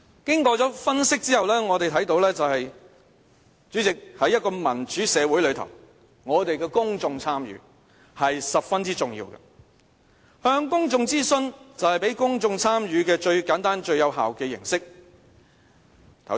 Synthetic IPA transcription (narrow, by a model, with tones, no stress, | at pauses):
kɪ˥ŋkɔː˧t͡sɔː˨˥fɐ˥nsɪ˥k̚t͡siː˥hɐ˨wlɛː˥ŋɔː˨˧t̪e˨jt̪ʰɐ˨˥jt̪o˧˥wlɛː˥t͡sɐ˨whɐ˨j | t͡ʃyː˨˥t͡sɪ˨k̚hɐ˨˥jːɐ˥t̚kɔː˧mɐ˨˩nt͡ʃyː˨˥sɛː˨˧wu˨˥jlɵ˨˧ɥt̪ʰɐ̰˨˩w | ŋɔː˨˧t̪e˨jkɛː˧kʊ˥ŋt͡sʊ˧ŋt͡sʰaː˥mjɥy̰ː˨˧ | hɐ˨jsɐ˨p̚fɐ˥nt͡siː˥t͡sʊ˨˩ŋjḭː˧wɡɐ̰˧ | hœː˧ŋkʊ˥ŋt͡sʊ˧ŋt͡siː˥sɵ˧nt͡sɐ˨whɐ˨jpe˨˥jkʊ˥ŋt͡sʊ˧ŋt͡sʰaː˥mɥyː˨˧kɛː˧t͡ʃɵ˧ɥkaː˨˥nt̪aː˥nt͡ʃɵ˧ɥjɐ˨˧wɦa̰ː˨wkɛː˧jɪ̰˨˩ŋsɪ˥k̚ | t̪ʰɐ˨˩